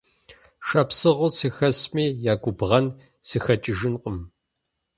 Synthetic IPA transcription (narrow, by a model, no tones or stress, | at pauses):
ʃɐpsɨʁʷʊsiːxɐsmiːjaːɡʷʊbʁɐn | siːxɐt͡ʃʼɪʒɪnqʷʼʊm